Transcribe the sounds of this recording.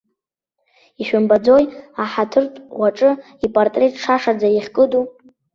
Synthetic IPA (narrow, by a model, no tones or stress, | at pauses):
iʃᶣʏmbad͡zo̞jaħatʰɨrtʼwaʈ͡ʂʼɨ | ipʼartʼre̞tʰʼʂaʂad͡zaiχʲkʼɨdu